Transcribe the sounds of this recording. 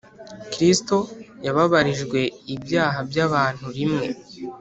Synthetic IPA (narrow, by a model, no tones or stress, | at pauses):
kɾisto̞jaβaβaɾiʒɡwe̞ibjaːɦabjaβaːn̥huɾimŋe̞̰